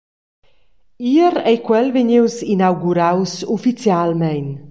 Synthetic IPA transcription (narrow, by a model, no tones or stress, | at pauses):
iɾɛjkwɛlveɲewsinawɡuɾawsufit͡sjalmɛjn